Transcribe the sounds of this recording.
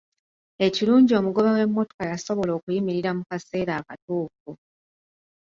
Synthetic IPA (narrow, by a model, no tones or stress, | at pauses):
e̞ciɾuːɲɟio̞muɡo̞βawe̞mːo̞to̥kajaso̞βo̞lo̞ːkujimiɾiɾamukase̞ːɾaːkatuːfu